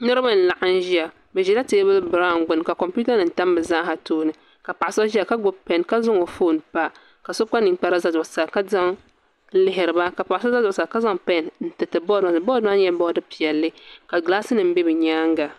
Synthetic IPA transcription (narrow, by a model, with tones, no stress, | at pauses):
nɨ˦ɾɨ˦ba˦n̩˨la˨ʔa˦n˦ʒi˦a˨ | bɛ˨ʒɛ˨la˦teː˦bɨ˦bɨ˨ɾa˦˨ŋ˨ɡ͡bʊ˨n˨ka˨kɔ˨mpu˦ta˦nɨ˨n̩˦ta˦mbɨ˨za˦ha˨toː˦nɨ˨ | ka˨pa˨ʔa˨sa˦ʒi˦a˨ka˦ɡ͡bʊ˨pɛ˨nka˦zʊ˦ŋo˨fo˦˨n˨pa˦ | ka˨so˦bka˦ni˨ŋ˦k͡pa˦ɾa˦za˦dʊ˨ʔsa˨ka˦za˦ŋ˦ | lɪ˦ɦɪ˨ɾɨ˨ba˦ka˨pa˨a˨sa˦za˦dʊ˨ʔsa˨ka˦za˦ŋpɛ˦˨nn̩˦tɨ˨tɨ˨bɔ˦da˨n˨bɔ˦da˦ɛ˦bɔ˦dɨ˦pi˨ɛ˨lːɨ˦ka˨ɡlaː˦sɨ˦nɨ˨m̩˦bɛ˦bɨ˨ɲaː˦ŋ˦ɡa˨